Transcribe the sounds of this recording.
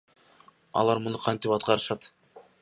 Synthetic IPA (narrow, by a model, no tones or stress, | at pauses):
ɑ̰lˠɑɾmʊnʊqʰɑnt̪ɪpɑt̪̚qɑɾɯʃɑt̪